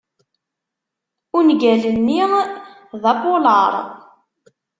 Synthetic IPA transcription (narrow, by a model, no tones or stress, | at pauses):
ʊnɡælənːi | ðˤɑboləɾˤ